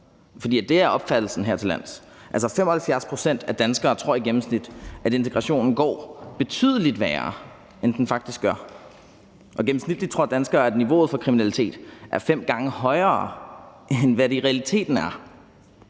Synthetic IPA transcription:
fɒd̥ḭːæd̥e̝æɐɒ̽b̥fæd̥l̩sn̩ɦeɐ̰t͡sʰe̝læn̰s | ʔæl̰sɐfem̰ɒ̽hælfjæɐspʰʁo̝sen̰d̥æd̥ænsɡ̥ɐːt͡sʰʁo̝ɐ̰iɡ̥em̩snid̥ʔæɾe̝nt͡sʰe̝ɡʁɑ̈ɕo̝̰ːnn̩ɡ̥ɒ̰ːb̥e̝t͡sʰy̰ð̞ˠəlid̥ʋæːɐː | end̥enfɑ̈ɡ̥̚d̥isɡ̥ɶɐ | ʔɒ̽ɡ̥em̩snid̥li̥t͡sʰʁo̝ɐ̰d̥ænsɡ̥ɐːæd̥niʋo̝̰ːð̞̩ˠfɒ̽kʰʁiminælit͡sʰe̝̰ːd̥ʔæɐfem̰ɡ̥ɑ̈ŋəhɒ̽ɪɐːʔenʋæɾeʁɛælit͡sʰe̝̰ːd̥n̩æɐ

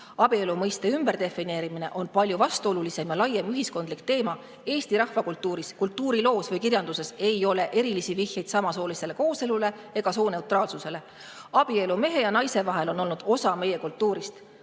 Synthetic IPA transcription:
ɑb̥ie̞lumɤjst̪e̞ymb̥e̞ɾd̪̥e̞fːine̞ːɾimine̞̰ʔo̞npɑlʲjuvɑst̪uo̞lulise̞mjɑlɑjemyɦisko̞nd̪likt̪e̞ːmɑ | e̞ːst̪iɾɑhvɑkult̪ːˑuːɾiskult̪ˑːuːɾilo̞ːsvɤjkirjɑnd̪̥use̞se̞jo̞le̞ʔe̞ɾilisivihjɑjd̪̥sɑmɑso̞ːlise̞le̞ko̞ːse̞lule̞ | e̞ɡ̥ɑsoːne̞wt̪rɑːlsuse̞le̞ | ɑb̥ie̞lume̞ɦe̞jɑnɑjse̞vɑɦe̞lo̞nːo̞lnud̪̥o̞sɑme̞je̞kult̪ːuːɾist̪

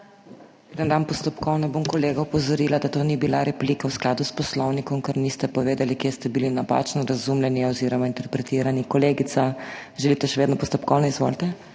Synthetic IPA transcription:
ed̪ənd̪anpɔst̪ɔpkɔwnabomkɔleːɡawpɔzɔɾiːlad̪at̪oːnibilaɾɛplikawsklaːd̪uspɔslɔwnikɔmkaɾnist̪ɛpɔʋeːd̪alikjest̪ɛbilinapa̰t͡ʃnɔɾazumlɛniɔziɾɔmaint̪ɛɾpɾɛt̪iːɾanikɔleːɡit̪saʒɛlit̪ɛʃɛʋed̪nɔpɔst̪ɔpkɔwnɔizʋo̰lt̪ɛ

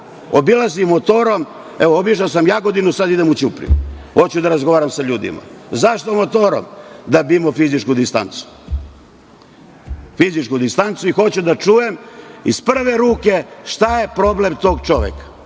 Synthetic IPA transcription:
obilˠazimot̪o̞ɾo̞m | eʋoobiʃasamjaːɡo̞d̪inusad̪id̪emut͡ɕupɾḭxo̞t͡ɕud̪aɾazɡo̞ʋaːɾamsaʎuːd̪ḭma̰zaʃt̪omo̞t̪o̞ɾo̰md̪abimofizit͡ʃkud̪ist̪a̰nt̪su̥ | fizit͡ʃkud̪ist̪ant̪suixo̞t͡ɕud̪at͡ʃuje̞mispr̩ʋe̞ɾuːke̞ʃt̪aje̞pɾo̞blemt̪o̞ːɡt͡ʃo̞ʋḛkḁ

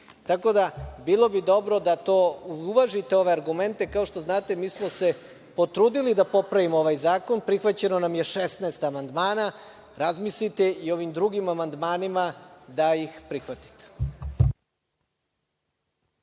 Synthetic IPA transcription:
t̪ako̞d̪abilˠo̞bid̪o̞bɾo̞d̪at̪oːuuʋaʒit̪eo̞ʋe̞aɾɡume̞nt̪e̞kao̞ʃt̪o̞znaːt̪emiːsmose̞ | po̞t̪ɾuːd̪ilid̪apo̞pɾaʋimooʋajzaːko̞npɾixʋat͡ɕe̞no̞namjeʃesnaːst̪amand̪maːna | ɾazmislit̪e̞io̞ʋimd̪ɾuɡimamand̪maːnimad̪ajixpɾixʋat̪i̥t̪e̥

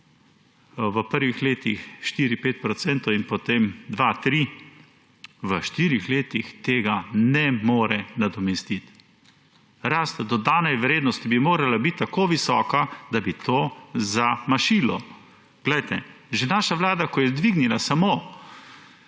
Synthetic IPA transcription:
ʋəpəɾʋixleːt̪ixʃt̪iːɾipeːt̪̚pɾɔt̪sɛnt̪ɔwinpot̪emd̪ʋat̪ɾi | ʋəʃt̪iːɾixleːt̪ixt̪eːɡanɛmoːɾɛnad̪ɔmɛst̪it̪ | ɾaːst̪d̪ɔd̪aːnɛjʋɾeːd̪nɔst̪ibimoːɾalabit̪ːakoːʋisɔːkad̪abit̪oːzamaʃilɔ | ɡ̥lɛjt̪ɛʒenaːʃaʋlaːd̪akɔjɛd̪ʋiɡnilasamoː

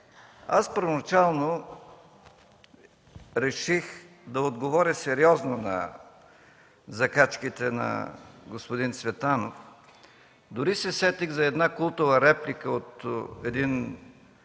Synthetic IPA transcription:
a̰spəɾvonɐt͡ʃalˠno | ɾɛʃix | d̪ɐod̪ɡovɔɾʲəsɛɾiɔznonɐ̰ | zɐkat͡ʃkit̪ɛnɐ̰ɡospod̪int̪svɛt̪anof | d̪ʊɾisɛsɛt̪iɡzɐɛd̪nakulˠt̪ʊvəɾɛplikəot̪ɛd̪in

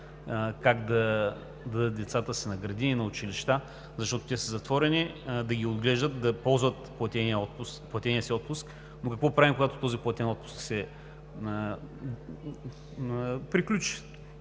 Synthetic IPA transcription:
kakd̪ɐ | d̪ɐd̪ət̪̚d̪ɛt̪sat̪əsinɐɡɾɐd̪iinɐʊt͡ʃiliʃt̪a | zɐʃt̪ɔt̪o̥t̪ʲɛsəzɐt̪vɔɾɛnid̪ɐɡʲiod̪ɡlɛʒd̪ət̪̚d̪ɐpɔlˠzvɐt̪plˠɐt̪ɛniəɔt̪pʊplˠɐt̪ɛnʲiəsiɔt̪̚pʊsk | nokɐkvɔpɾavimkoɡat̪o̥t̪ɔziplˠɐt̪ʲɛnɔt̪pʊ̥sksɛ | pɾiklʲut͡ʃi̥

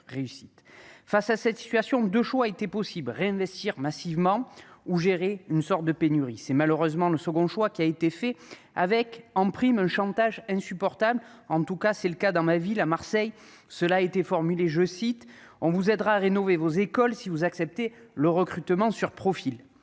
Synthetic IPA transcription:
ʁeysit̪fasasɛt̪si̥t̪ɥasjɔ̃d̪øʃwaet̪epɔsiblʁeɛ̃vɛst̪iʁmasivmɑ̃uʒeʁeynsɔʁt̪̚d̪əpenyʁisɛmaløʁøzmɑ̃ləsəɡɔ̃ʃwakʲiaet̪efɛ | avɛkɑ̃pχimɛ̃ʃɑ̃t̪aʒɛ̃sypɔʁt̪abl | ɑ̃t̪ukasɛləkad̪ɑ̃mavilamaʁsɛj | səlaet̪efɔʁmyleʒəsit̪ | ɔ̃vuzɛd̪ʁaːʁenɔvevozekɔlsivuzaksɛp̚t̪eləʁəkχyt̪mɑ̃syʁpχɔfil

